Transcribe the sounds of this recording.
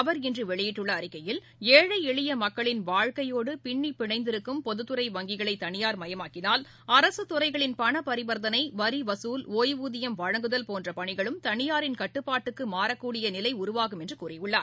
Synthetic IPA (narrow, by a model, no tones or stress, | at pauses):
ɐʋɐɾɪndrɯʋɛɭɪjɪʈːɯɭːɐːɾɪkːɐjɪl | eːɻɐɪɛɭɪjɐmɐkːɐɭɪnʋaːɻkɐjoːɽɯpɪɳːipɪɳɐɪnd̪ɪɾɯkːɯmpɔðɯt̪ːɯɾɐɪʋɐŋɡɪɣɐɭɐɪt̪ːɐɳɪjaːɾmɐjɐmaːkːɪnaːl | ɐɾɐsɯt̪ːʊɾɐɪɣɐɭɪnpɐɳɐpɐɾɪbɐɾðɐnɐɪʋɐɾiʋɐsuːloːjʋuːðɪjɐmʋɐɻɐŋɡɯðɐlpoːndrɐpɐɳɪɣɐɭɯmt̪ɐɳɪjaːɾɪnkɐʈːɯpːaːʈːɯkːɯmaːɾɐkːuːɽɪjɐnɪlɐɪʊɾʊʋaːɣɯmɛndrɯkuːrɐjɯɭːaːɾ